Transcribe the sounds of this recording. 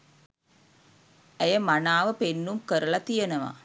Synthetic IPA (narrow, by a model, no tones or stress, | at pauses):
æjəmanaːʋəpenːumkəɾɐlɐt̪ijɐnɐʋa̰